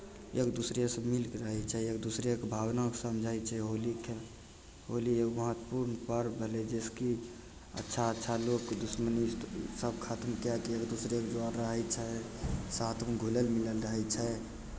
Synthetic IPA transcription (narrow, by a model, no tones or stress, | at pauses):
ekd̪usɾesəmilkɾəɦɛt͡ʃʰɛekd̪usɾekebʱabnaksəmd͡ʒʱajt͡ʃʰɛɦolike | ɦoliekməɦət̪ːpuɾnpəɾbʱeled͡ʒeski | ə̰tːʃʰaətːʃʰalokːd̪usmənisəb̚kʰat̪əmkjakiekd̪usɾekd͡ʒoaɾɾəɦɛt͡ʃʰɛsat̪ʰmeɡʱulelmiləlɾəɦɛt͡ʃʰɛ